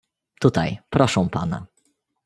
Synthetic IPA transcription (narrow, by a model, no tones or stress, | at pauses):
t̪ut̪ajpɾɔʂɛ̃w̃pa̰na̰